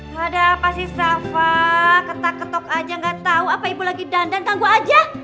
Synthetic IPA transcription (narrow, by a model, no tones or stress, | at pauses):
madaːpasihsafakət̪akːət̪ɔkad͡ʒaŋɡat̪auapaibulaɡidandankaŋɡuad͡ʒa